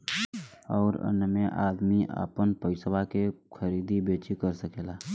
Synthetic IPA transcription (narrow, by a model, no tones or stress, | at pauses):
ɔːɾə̰nəmẽʔaːd̪miʔa̰pənpəɪswakekʰəɾiːd̪ibeːt͡ʃikəɾsəkeːlaː